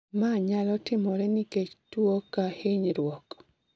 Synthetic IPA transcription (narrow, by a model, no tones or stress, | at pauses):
maɲalɔtɪmɔɾɛniket͡ʃtwokaheɲɾwɔk